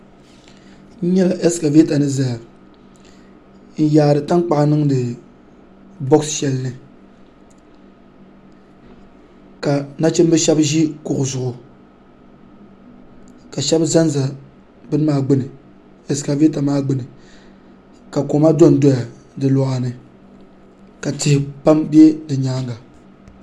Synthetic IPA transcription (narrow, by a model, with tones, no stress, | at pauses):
n̩˦ɲɛ˦la˨ʔɛ˦ska˨ve˦ta˨nɨ˦za˨a˨ | n̩˦jaː˨ɾɨ˨ta˦ŋk͡pa˨ʔnɨ˦ŋdɨ˨ | bɔ˦ksʃɛ˦lnɨ˨ | ka˨na˦t͡ʃɛ˦m˦bɨ˦ʃɛ˦bʒi˦kʊ˨ʔʊ˨zʊ˨ʔʊ˨ | ka˨ʃɛ˦bza˦n˦za˨ | bɨ˦n˦maː˦ɡ͡bɨ˦nɨ˨ | ɛ˨ska˨ve˦ta˨maː˦ɡ͡bɨ˦nɨ˨ | ka˨ko˨ma˦do˦n˨do˦ja˨ | dɨ˨lɔ˨ʔa˨nɨ˨ | ka˨tɪ˨hɪ˨pa˦mbɛ˦dɨ˨ɲaː˦ŋɡa˨